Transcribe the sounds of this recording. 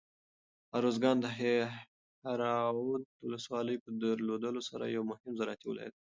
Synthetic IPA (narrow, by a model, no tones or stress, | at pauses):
aɾozɡɑnd̪əɦe | haɾɑud̪̚wʊləswɑləjpəd̪əɾlod̪əlosaɾa̰jawmʊhɪmzaɾɑt̪iw̰la̰j̰d̪